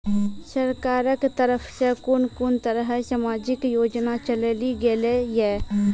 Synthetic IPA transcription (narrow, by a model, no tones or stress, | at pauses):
səɾkaːɾəkt̪əɾəpʰsekʊnkʊnt̪əɾəɦsaːmaːd͡ʒɪkjoːd͡ʒnat͡ʃəlliɡelejɛː